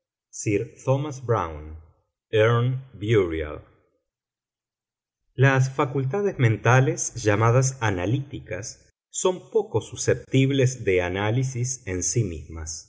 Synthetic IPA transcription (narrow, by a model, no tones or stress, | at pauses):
siɾt̪omasbɾa̰wn | eɾnbjuɾja̰l | las̬fakult̪̬aðezmẽ̞nt̪alesʒamað̞as̬analit̪ikasː | o̞mpo̞ko̞susep̚t̪iβlezðeanalisisensimḭzmas